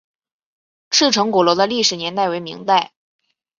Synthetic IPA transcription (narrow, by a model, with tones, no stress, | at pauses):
ʈ͡ʂ̩ʰ˥˩ʈ͡ʂʰɤ˧˥ŋkɔ˨˩lwɔ˧˥d̪ə˧li˥˩ʂɻ̩˨˩njɛ˧˥nt̪a˥˩ɪwe˧˥ɪmḭ˧˥ŋt̪a˥˩ɪ